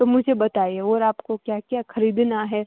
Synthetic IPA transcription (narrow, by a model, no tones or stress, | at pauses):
t̪omʊd͡ʒʱebɐt̪aːieɔːɾaːpkokjakjaxɐɾiːd̪naɦɛ